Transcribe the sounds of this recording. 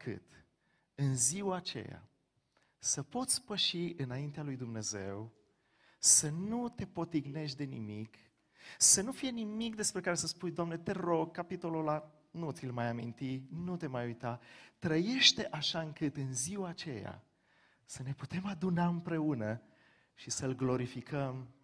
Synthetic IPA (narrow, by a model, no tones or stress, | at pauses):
kʰɨ̰t̪ | ɨnziwaːt͡ʃe̞̰ja̰ | səpo̞t̪sʲpəʃiɨnaint̪ealujd̪umne̞ze̞̰w | sənut̪e̞po̞t̪iɡne̞ʃd̪e̞nḭmik | sənufije̞nimikd̪e̞spɾe̞kaɾe̞səspujd̪oamnet̪e̞ɾo̞ɡ̚kapit̪o̞lola | nut̪silmajamḭnt̪inut̪e̞majujt̪at̪ɾəje̞ʃt̪eʔaʃaɨŋkɨt̪ɨnziwaːt͡ʃe̞ja̰ | səne̞put̪e̞mad̪unaɨmpɾe̞unə | ʃisəlɡlo̞ɾifikʰəm